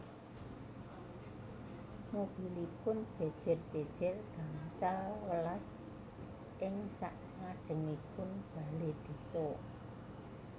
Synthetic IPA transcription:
mob̥ilipʊnd̥ʒ̥ɛd̥ʒ̥ɛ̤rd̥ʒ̥ɛ̤d̥ʒ̥ɛrɡ̥aŋsalwəlas | ʔɪŋsaʔ | ŋad̥ʒ̥ə̤ŋipʊnb̥aled̪̥i̤sɔ

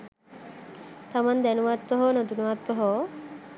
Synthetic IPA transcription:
t̪amand̪ɛnuʋat̪ːoɦonod̪unuʋat̪ːɔɦo

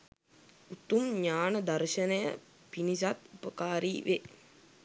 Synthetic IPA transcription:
ut̪umɲaːnəd̪ɐɾʃənəjə̰ | pinis̬at̪upəkaːɾiːʋe

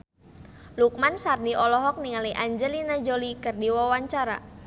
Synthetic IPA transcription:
luk̚mansardiʔɔlɔɦɔk̚niŋaliʔaɲd͡ʒəlinad͡ʒolikərdiwawaɲt͡ʃaɾa̰

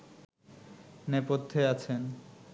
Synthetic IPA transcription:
nepot̪ʰːeat͡ɕʰen

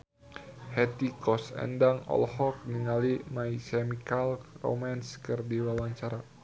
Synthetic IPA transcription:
hɛt̪ikɔsɛ̰ndaŋɔ̰lhɔk̚niŋalimaisɛmikalro̰manskɨrdiwawaɲt͡ʃaɾa

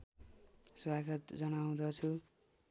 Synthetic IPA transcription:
swaɡʌt̪d͡zʌnaw̃d̪ʌt͡sʰu

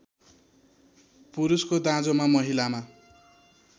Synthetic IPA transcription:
puɾuskod̪ãd͡zomamʌɦilama

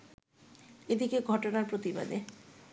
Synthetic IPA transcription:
ed̪ikeɡʱɔʈonaɾpɾot̪iba̰d̪e

